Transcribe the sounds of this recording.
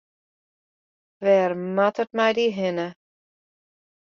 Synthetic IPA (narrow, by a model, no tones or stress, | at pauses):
ʋɛːrmatətmɛjdiɦɪnə